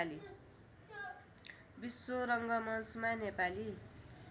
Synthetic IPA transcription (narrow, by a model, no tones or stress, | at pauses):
li | bisːoɾʌŋɡʌmʌnsmanepali